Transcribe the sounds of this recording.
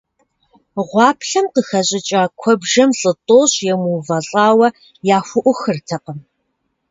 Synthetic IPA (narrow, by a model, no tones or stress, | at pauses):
ʁʷɑːpʰɬɐmqəxɐɕʼɪt͡ʃʼaːkʷʰɔbʒɐmɬʼɨtʼoːɕjɛmuːvɐɬʼɑːwɐ | jaːxʷʊʔʷʊxɨrtʰɐqəm